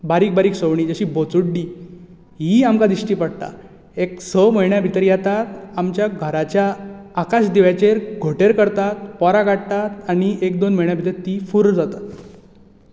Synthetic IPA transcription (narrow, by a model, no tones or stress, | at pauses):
baɾiːk̚baɾiːksəʋɳ̃iːd͡zəɕiːbot͡suɽɖiː | ɦiamkad̪iɕʈiːpəɽt̪a̰ | eksəməjɳjabʱit̪əɾjat̪at̪amt͡ɕjaɡʱəɾat͡ɕjaːkaɕd̪iʋat͡ɕeɾɡʱoʈeɾkəɾt̪at̪̚pɔɾaɡaɽt̪at̪añiek̚d̪onm̤əɭɳjabʱit̪əɾt̪ifuɾd͡zat̪at̪